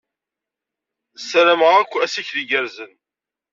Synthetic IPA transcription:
sɾæməʁækʷːæsiçðiɡəɾzən

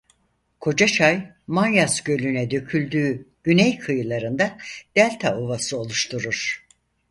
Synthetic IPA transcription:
kʰo̞d͡ʒaʃaj | manjasɟø̞lʲynɛd̪ø̞cʰylʲd̪yːɟ̥ynɛjkʰɯjɯlˠaɾɯnd̪ad̪̥ælʲt̪ʰaovasɯo̞lˠuʃt̪ʰuɾuɾ̥

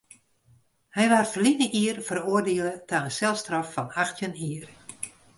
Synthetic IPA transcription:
hɛjʋarfəlinəʔiərfəroərdɪələtaənsɛlˠstrɔfːɔnaxtjəniər

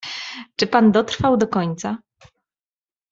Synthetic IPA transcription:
t͡ʂɘpand̪ɔt̪ɾfawd̪ɔkɔɲt̪sa

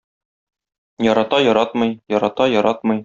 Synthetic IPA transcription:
jɒɾɑt̪ɑjɒɾɑt̪mɤ̆jjɒɾɑt̪ɑjɒɾɑt̪mɤ̆j

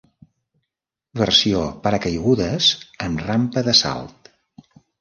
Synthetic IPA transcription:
βərsiopəɾəkəjɣuðəzəmrampəðəsa̰lˠt̪

